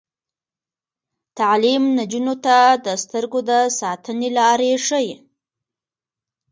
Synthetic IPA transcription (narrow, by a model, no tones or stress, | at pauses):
t̪alimnad͡ʒunot̪ad̪əst̪əɾɡod̪əsɑt̪ənelɑɾeʂəje